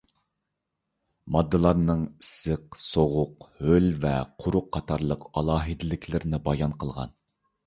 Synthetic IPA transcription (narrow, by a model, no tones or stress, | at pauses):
mɑd̪ːɨlˠɑɾnɨŋisɨqsoʁʊqhølvɛqʰʊɾʊqʰːɑt̪ʰɑɾlˠəqɑlˠɑːɦɨd̪ɪlɪkʲʰlɪɾɪnɪbɑjɑnqʰəlˠʁɑ̰n